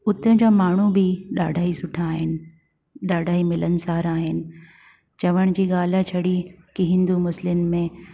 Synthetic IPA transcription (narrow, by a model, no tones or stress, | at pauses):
ʊt̪ə̃d͡ʑaːmaːɳ̤ubɪɗa̰ːɖʱaːisʊʈʰaːɦɪnɪ̆ | ɗaːɖʱaːimɪlən̆saːɾaːɦɪnɪ̆ | t͡ɕɐʋəɽ̃d͡ʑiːɠaːl̤at͡ɕʰɐɽikiɦɪ̃nd̪umʊslɪmɪ̆mẽ